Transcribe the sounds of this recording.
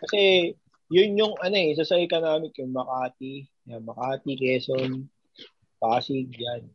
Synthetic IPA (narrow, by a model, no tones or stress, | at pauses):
kɐsɛ | jʊnjʊŋʔɐnoɛs̬asɐɪkɐnaːmɪkʊŋmɐkaːt̪i | amɐkaːt̪ɪkɛːson | paːsɪɡd͡ʒan